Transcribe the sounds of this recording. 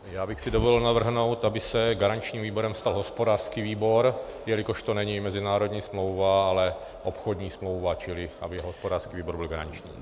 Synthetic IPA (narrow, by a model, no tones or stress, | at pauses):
jaːbɪxsɪdovolɪlnavr̩ɦno̞wt̪ʔabɪsɛɡaɾaɲt͡ʃɲiːmviːbo̞ɾɛmst̪alɦospodaːrskiːviːbo̞ɾ | jɛlɪkoʃt̪onɛɲimɛzɪnaːɾodɲiːsmlowvaalɛ | ʔopxodɲiːsmlo̞wvat͡ʃɪlɪʔa̰bɪɛɦɦospodaːrskiːviːbo̞ɾbɪlɡaɾa̰ɲt͡ʃɲḭː